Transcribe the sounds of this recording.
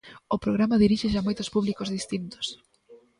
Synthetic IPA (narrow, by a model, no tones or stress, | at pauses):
ʊpɾoɣɾamɐðiɾiʃeʃamojt̪ʊ̥spuβlikozðist̪int̪o̥s